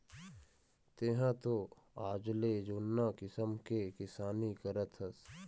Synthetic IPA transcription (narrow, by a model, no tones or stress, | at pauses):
t̪eɦãt̪o | aːd͡ʒled͡ʒoːnːãkɪsəmkekɪsaːnikəɾət̪ʰəs